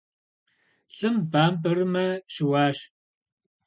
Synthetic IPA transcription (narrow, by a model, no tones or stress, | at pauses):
ɬʼɨmbaːmbɐrɨmɐʃɪwaːʃ